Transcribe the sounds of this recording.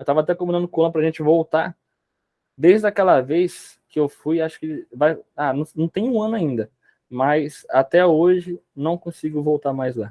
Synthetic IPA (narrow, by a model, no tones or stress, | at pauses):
ewt̪avɐat̪ɛkõbĩnɐ̃nd̪ʊkõɐ̃ʊpɾɐʒẽnt͡ʃɪvowt̪aɾ | d̪ejzd̪akɛlɐvejs | kɪewfujaʃʊ̥kɪvajanɐ̃nɐ̃w̃t̪ẽj̃ũɐ̃nʊaĩnd̪ɐ | mɐjsat̪ɛoʒɪ | nɐ̃w̃kõsiɡʊvowt̪aɾmajzla